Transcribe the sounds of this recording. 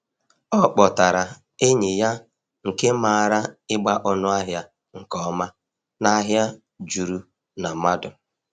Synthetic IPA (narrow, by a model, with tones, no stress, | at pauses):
ɔ˦˨k͡pɔ˨ta˨ɾa˨ | e˦ɲɪ˨ja˦ | ŋ̩˨ke˦ma˨ɾa˦ɪ˦ɡ͡ba˦ʔɔ˨nʊ˦a˦ɦja˦ | ŋ̩˨kɔ˦ɔ˦ma˦ | na˦ɦja˦ | d͡ʒu˨ɾu˨ | na˨ma˦dʊ˨